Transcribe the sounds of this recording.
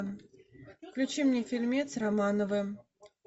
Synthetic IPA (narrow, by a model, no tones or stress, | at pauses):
fklʲʉt͡ɕimnʲefʲɪlʲmʲet̪sramanəvɨ